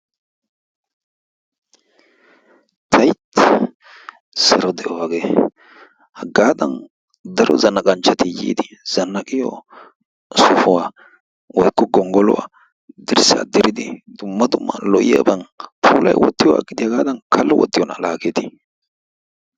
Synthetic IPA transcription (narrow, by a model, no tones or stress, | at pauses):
t̪ʰɐjt̪ | sɐɾɔd̪ɛʔɔwaːɡe | hɐɡaːd̪ɐn | d̪ɐɾɔ̰zɐnːɐkʼɐnt͡ʃːɐt̪ɪjḭːd̪ɪz̥ɐnːɐkʼɪjɔ̰ | sʊfʊwa | wɔjkːɔɡɔŋɡɔlɔ̰wa̰ | d̪ɪɾsa̰ːd̪ɪɾɪd̪ɪd̪̥ʊmːɐd̪ʊmːɐ̰lɔʔɪjɐ̰bɐnpʰuːlɐ̰jwɔt̪ːɪjɔwa̰ːɡɪd̪ɪjɐɡaːd̪ɐnkʰɐlːɔwɔ̰t̪ːɪjɔnɐ̰laːkɛt̪ɪ